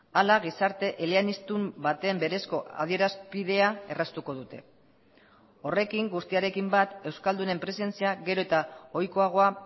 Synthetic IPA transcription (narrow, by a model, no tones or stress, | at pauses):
alaɣisaɾt̪e̞ʔeleanist̪umbat̪e̞ːmbe̞ɾe̞sko̞ʔa̰ð̞ie̞ɾaspiðe̞ae̞rast̪uko̞ðut̪e̞̰ | o̞re̞kiŋɡust̪iaɾe̞kimbat̪e̞wskald̪une̞mpɾe̞se̞nt͡siaɣe̞ɾo̞et̪ao̞jko̞aɣ̞o̞a